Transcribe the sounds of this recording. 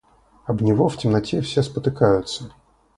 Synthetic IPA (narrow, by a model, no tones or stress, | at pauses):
ɐbnʲɪvoftʲɪmnɐtʲefsʲespət̪ɨkajʊt̪sə